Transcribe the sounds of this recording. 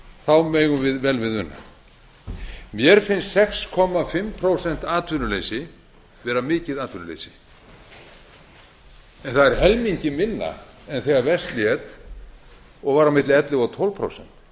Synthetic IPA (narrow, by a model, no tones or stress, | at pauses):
θawmeːjɣʏmvɪðvɛlvɪðʏnːa̰ | mjɛɾ̥fɪnst̪ːɛkskʰɔmafɪmpʰɾowsɛn̥t̪aːt̪vʏnʏlejsɪ | vɛːɾamɪːcɪðaːt̪vʏnʏlḛjsɪ̥ | ɛnθaðɛɾ̥hɛlmiɲcɪmɪnːa̰ɛnθɛːɣaɾvɛst̪ljɛt̪ | ɔɣvaːɾawmɪt̪lɪɛt̪lɪɣɔt̪ʰɔwlvpʰɾo̰wsɛn̥t̪